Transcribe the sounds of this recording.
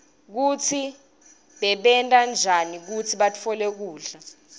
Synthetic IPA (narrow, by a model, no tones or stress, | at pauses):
k̬ut͡sʰi | ɓɛɓɛntʼand͡ʒʱanik̬ut͡sʰiɓatʰɔlek̬uːɮa